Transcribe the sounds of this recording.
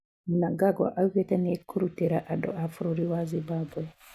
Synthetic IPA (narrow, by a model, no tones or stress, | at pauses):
munaɡaɡa̰ʔaukɛtɛnɛkːuɾutɛɾaʔadɔ̰ʔafuɾoɾiwazibabuɛ